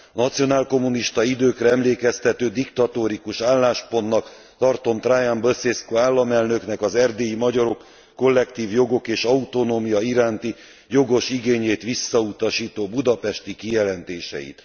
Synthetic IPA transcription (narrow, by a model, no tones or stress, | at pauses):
nɒt̪sijo̞naːlko̞mːuniʃt̪ɒid̪øːkrɛɛmleːkɛst̪ɛt̪øːd̪ikt̪ɒt̪oːɾikuʃaːlːaːʃpo̞nːɒk | t̪ɒrt̪o̞mt̪raːjambøseskoaːlːɒmɛlnø̞knɛkɒzɛrd̪eːjimɒɟɒɾo̞kː | o̞lːɛkt̪iːvjo̞ɡo̞keːʃɒut̪o̞noːmijɒiɾaːnt̪i | jo̞ɡo̞ʃiɡeːɲeːt̪ʋisːɒut̪ɒʃiːt̪oːbud̪ɒpɛʃt̪ikijɛlɛnt̪eːʃɛ̰jḭt̪